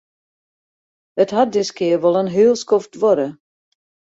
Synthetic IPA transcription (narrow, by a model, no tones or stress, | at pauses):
ətɦat̚dɪskɪəʋɔlˠənɦyəlˠskɔftʋɔɾə